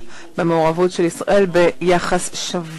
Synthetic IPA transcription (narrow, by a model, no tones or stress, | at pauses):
bemeoʁavutʃelisʁa̰ʔe̞lbejaχasʃav